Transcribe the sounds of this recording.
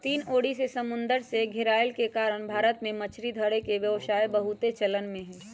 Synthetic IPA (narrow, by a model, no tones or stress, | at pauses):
t̪iːnoːɽisesɐmʊ̃nd̪əɾseɡʱɪɾaːjəlkekaːɾəɽ̃bʱaːɾət̪mẽmɐt͡ʃʰɾid̪ʱəɽekeʋjəʋsaːebəɦʊt̪et͡ʃɐlənmẽɦɛ̃ː